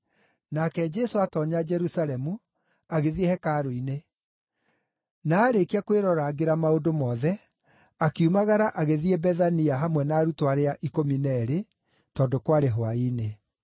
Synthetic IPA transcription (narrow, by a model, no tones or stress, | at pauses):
nakɛd͡ʒɛsoatɔɲad͡ʒɛɾusalɛmu | aɣeðiehɛkaɾoine | naːɾekiakweɾɔɾaɣeɾamaodomɔːðɛ | akeumaɣaɾaʔaɣeðiebɛðaniaɦamwɛnaːɾutoaɾeaʔikominɛɾe | tɔːdokwaɾeɦoaine